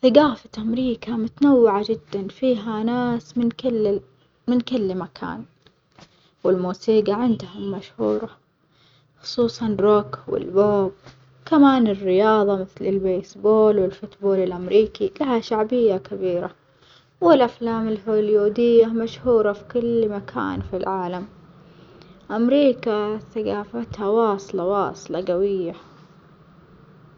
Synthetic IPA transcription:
θaɡaːfat̪ʔamɾiːkamʊt̪anawːɪʕad͡ʒɪd̪ːanfiːɦanaːsmɪnkɪl | mɪnkɪlːmakʰa̰ːn | wɪlmuːsiːɡaʕɪnd̪hamaʃhuːɾˤɑ | xʊ̥sˤuːsˤɑnrˤokwɪ̰lboːb̚ | kamaːnɪrːɪjɑːðˤɑmɪθlɪlbeːsboːlwɪlfʊt̪boːlɪlʔamɾiːkilahaʃaʕbɪjːakabiːɾa | wɪlʔaflaːmɪlhoːljuːd̪ɪjːamaʃhuːɾˤɑfi̥kʊlmakʰa̰ːnfilʕaːlam | ʔamɾiːkaθaɡaːfat̪hawɑːsˤlɑwɑ̰ːsˤlɑɡawɪjːa

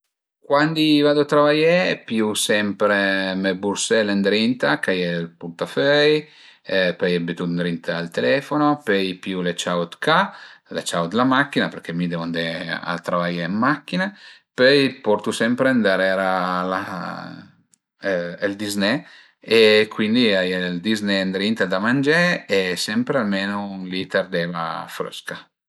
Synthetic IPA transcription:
kwand̪ivad̪oat̪ɾavajɛpjusɛmpɾemebuɾsɛlend̪ɾint̪akajelpuɾt̪afœj | pøjebet̪und̪ɾint̪aalt̪elɛfonopøjpjulet͡ʃawt̪kʰalḛt͡ʃawt̪lamakːinapeɾk̟emid̪emand̪ea̰t̪ɾavajemːakːinapøjpɔɾt̪usɛmpɾeand̪aɾeɾala̰ | eld̪izne | ekwind̪iajld̪iznend̪ɾint̪d̪amand͡ʒeesɛmpɾealmenonlit̪ard̪ɛːva̰fɾø̰ska

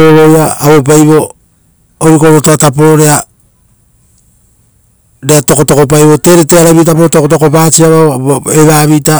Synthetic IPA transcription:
oɾojaaβo̞p̬ajβo̞ | oɾikoɾotoatapooɾea | ɾeato̞ko̞toko̞p̬ajβo̞te̞ɾeteaɾaβit̬apootokotokopaːt͡ʃiaβaoeβaːβita

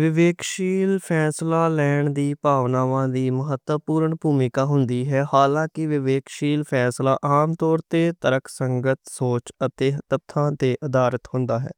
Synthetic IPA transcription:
ʋɪʋeːkʃiːlpʰɛːslaːlɛːɳd̪iːpaːʋnaːʋãːd̪iːməɦət̪əpuːɾəɳbʱuːmɪkaːɦʊnd̪iːɦɛːhaːlãːkɪʋɪʋeːkʃiːlpʰɛːslaːʔaːmt̪ɔːɾt̪eːt̪əɾəkʰsəŋɡət̪soːt͡ʃət̪eːt̪əb̚t̪ʰãːt̪eːʔəd̪aːɾət̪hʊnd̪aːɦɛ̰ː

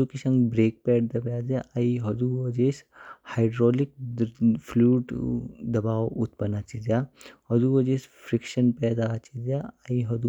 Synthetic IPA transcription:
ukisɐ̃ŋɡbɾeːk̚pɛːʈd̪ɐbjaːd̪jaʔɐiɦɐd̪uːɐd͡ʒeːshaɪɖɾɔːlɪk̚ | pʰluːʈd̪ɐbaːwut̪pɐnat͡ʃid̪jahɐd̪uːɐd͡ʒeːspʰɾɪkʃənpɛːd̪at͡ʃid̪jaɐiɦɐd̪u

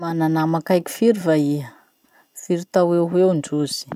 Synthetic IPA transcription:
mananamakajkʲi̥fiɾivaiə | fiɾit̪aweɦewɳɖ͡ʐuz̥i̥

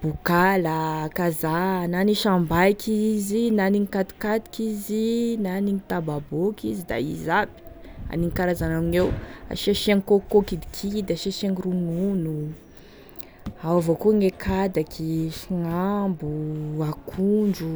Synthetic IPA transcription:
b̥ukaləkazananiʃambajkʰizinaniŋikat̪u̥kad̪i̥kizinaniŋit̪ababokizid̪a̰ḭzabi̥a̰niŋkaɾazanaminewa̰ʃeʃaŋikokokid̪i̥kʰid̪aʃeʃeŋiɾununu | awavokuŋekʰad̪akʰiʃiŋambuakʰuɳd͡ʒu

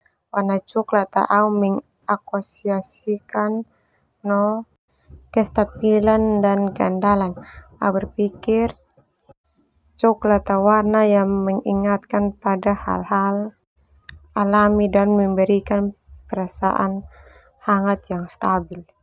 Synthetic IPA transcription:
warnat͡ʃɔklat̪a̰ʔaumɛŋ | akɔsiasikanː | ɔ | kɛst̪apilandanɡa̰ndalanaubɛrpikir | t͡ʃɔklat̪awarnajaŋmɛŋiŋat̪̚kanpadaha̰lhal | alamidanmɛmbɛɾikanpɛɾasa̰ʔa̰n | haŋat̪jaŋst̪abil

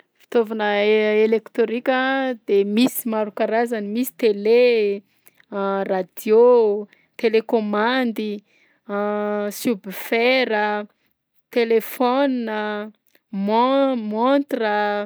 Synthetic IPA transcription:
fi̥t̪ovanəelekt̪oɾikʲəd̪emisimaɾukaɾazanimisi̥t̪ele | rad̪̥jo | t̪elekomand̪i | subifeɾə | t̪elefɔnnə | mɔmɔnt̪rə

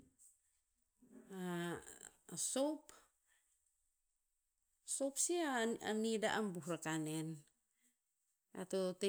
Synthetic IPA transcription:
a | sop | sopsiaanidaʔambuhɾakanen | a̰t̪ot̪e

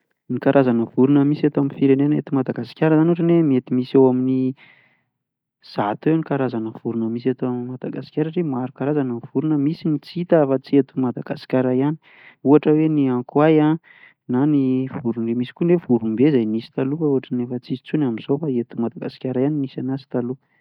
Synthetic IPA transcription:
nikaɾʔazanəv̥uɾunəmisat̪oaminfiɾenenəet̪umad̪aɡasi̥kʲaɾəzanuʈ͡ʂanemiet̪imisewamini | z̥at̪uewnikaɾazanəv̥uɾunəmisat̪oammad̪aɡasi̥kʲaɾəʈ͡ʂemaɾukaɾazanəv̥uɾunəmisinit͡sit̪aafat͡siet̪umad̪aɡasi̥kʲaɾaiani̥ | uaʈ͡ʂəweniaŋkwaja | nanivuɾunemisi̥kunevuɾumbezajnisi̥t̪alukauaʈ͡ʂənefət͡sizi̥t͡sunamiz̥ofaet̪umad̪aɡasi̥kʲaɾaaninisanasi̥t̪alu

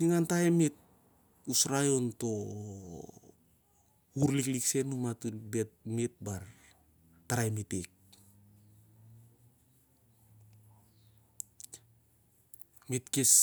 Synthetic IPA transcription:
niŋantaemit̚ | usɾajonto̞ | uɾliklikse̞numatubet̚mit̚baɾ | taɾajmitek̚ | mitkis

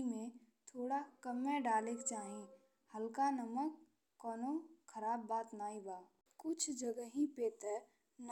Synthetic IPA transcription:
mẽ | t̪ʰoːɽakəmːeɖaːlekt͡ʃaːɦẽ | həlkanəməkː | ɔːnokʰəɾaːbːaːt̪naːibaː | kʊt͡ʃʰd͡ʒəɡəɦĩpeːt̪ə | n

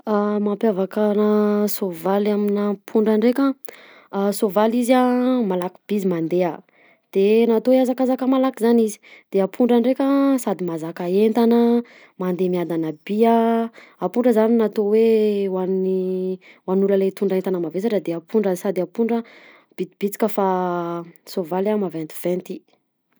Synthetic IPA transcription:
amampjavakanasovalaminapʰuɳɖ͡ʐaɳɖ͡ʐekʲa | sovalizamalaki̥b̥izimand̪ea | d̪̥enat̪oweazakazakəmalakizanizi̥d̪̥eapʰuɳɖ͡ʐaɳɖ͡ʐekʲasad̪imazakaent̪anə | mand̪emiad̪anəbiaapuɳɖ͡ʐəzaninat̪owewani | wanuləlet̪uɳɖ͡ʐaent̪anəmavesaʈ͡ʂəd̪eapuɳɖ͡ʐəsad̪apuɳɖ͡ʐə | b̥id̪ib̥it͡si̥kʲəfa | sovalamavent̪i̥v̥ɛnt̪i

